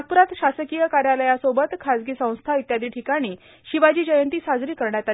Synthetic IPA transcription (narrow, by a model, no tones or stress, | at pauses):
ak̚puɾat̪ɕasəkijəkaɾjaləjasobət̪kʰad͡zɡiːsə̃w̃st̪ʰait̪jad̪iːʈʰikaɽ̃iː | ɕiʋad͡ʑiːd͡ʑəjənt̪iːsad͡zɾiːkəɾɳjat̪a